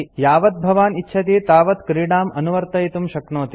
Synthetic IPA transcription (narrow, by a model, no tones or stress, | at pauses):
jaːʋɐt̪̚bʱɐʋaːnitːʃʰɐt̪iːt̪aːʋɐt̪kɾiːɽaːmɐnuʋɐɾt̪ɐjt̪umʃɐknoːt̪i